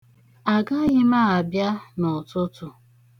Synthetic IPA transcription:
a˨ɡa˦ɣɪ˦ma˦˨a˨bja˦nʊ˨tʊ˦tʊ˨

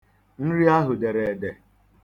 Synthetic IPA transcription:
n̩˦ɾi˦a˦ɦʊ˨de˨ɾe˨de˨

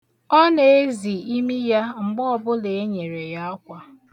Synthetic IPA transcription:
ɔ˦ne˨e˦zi˨i˦mi˦ja˦ŋ͡m̩˨ɡ͡bɔ˦˨bʊ˦le˨e˦ɲe˨ɾe˨ja˦a˦kʷa˦

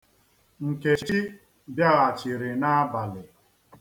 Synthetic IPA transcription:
ŋ̩˨ke˨i˦ | bja˦ɣa˨t͡ʃi˨ɾɪ˨na˦a˦ba˨lɪ˨

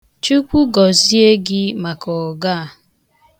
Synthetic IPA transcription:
t͡ʃu˦kʷu˦ɡɔ˨zi˦e˦ɡɪ˦ma˨kɔ˨ɡa˦a˨

